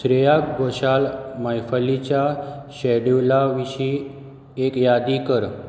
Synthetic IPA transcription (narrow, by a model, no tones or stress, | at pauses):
sɾejakɡoʃalmajfʰəlit͡ɕaʃɛɖulaʋiʃi | ekjad̪ikəɾ